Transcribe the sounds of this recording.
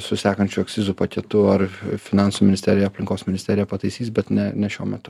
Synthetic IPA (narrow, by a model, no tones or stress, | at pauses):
sʊsʲæːkɐnʲt͡ʃʲuɛk̚t̪sʲɪzuːpɐkʲɛt̪ʊɐɾfʲɪnɑˑnsuːmʲɪnɪsʲt̪ʲæːɾʲɪjɛɐpʲlʲɪŋkoːsmʲɪnʲɪst̪ʲɛːɾʲɪjɛpɐt̪ɐɪsʲiːsbʲɛt̪nʲɛnʲɛʃʲuɔmʲɛt̪ʊ